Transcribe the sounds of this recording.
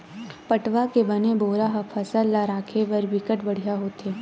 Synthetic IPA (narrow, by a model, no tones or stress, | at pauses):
pɐʈʋakebɐneboːɾaɦɐpʰɐsəlːaɾaːkʰeʋɐɾʋɪkəʈbɐɽ̤ijaɦoːt̪eː